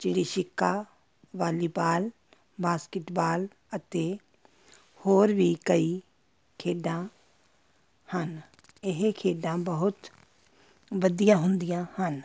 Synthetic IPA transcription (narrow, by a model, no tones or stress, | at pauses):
d͡ʒɪɽiʃɪkːa | ʋaːlibaːl | baːskɪʈbaːl | ət̪e | hoːɾbʱikɐi | kʰeːɖã | han | ɪɦekʰeːɖãbɐɦʊt̪ | ʋɐd̪ijãɦʊ̃nd̪ijãhan